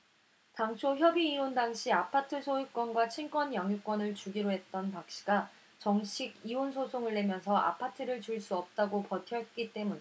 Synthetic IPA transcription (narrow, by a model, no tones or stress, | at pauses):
taŋt͡ɕʰoçjʌbiːondaŋɕʰiapʰatʰɯsʰojik̚k͈wʌnɡwat͡ɕʰink͈wʌnjaŋjuk͈wʌnɯɭt͡ɕuɡiɾoɦe̞t̚t͈ʌnpak̚ɕ͈i̥ɡa | t͡ɕʌŋɕʰiɡionsʰosʰoŋɯɭːe̞mjʌnsʰʌʔa̰pʰatʰɯɾɯɭt͡ɕuɭs͈uʌp̚t͈aɡopʌtʰjʌɦet̚k͈it͈e̞munɲ